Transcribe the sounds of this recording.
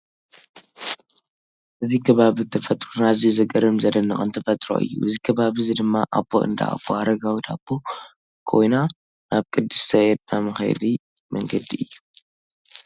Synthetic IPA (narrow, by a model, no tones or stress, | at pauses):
ʔɨzikʰɐβaβit̪ʰɐfɐt̪ʼɾonazijuzɐɡɐɾɨmzɐd̪ɐnːɐχʼɨnt̪ʰɐfɐt̪ʼɾo̰ʔɨ̰jːṵʔɨzikʰɐβaβɨzid̪ɨmːaʔabːo̰ʔɨ̰nd̪a̰a̰bːohaɾɐɡawit̪ʰab̥ʰo | kʰo̞̰jna | naβkʼɨd̪ːɨst̪ʰɐjɛd̪namɨxɐ̰jd̪i | mɐŋɡɐd̪iʔɨjːu